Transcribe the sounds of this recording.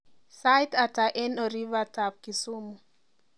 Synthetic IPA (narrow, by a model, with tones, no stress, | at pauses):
sajtata˨ʔɛ˦nɔ˨ɾi˦vatap̚ki˨su˦mu˨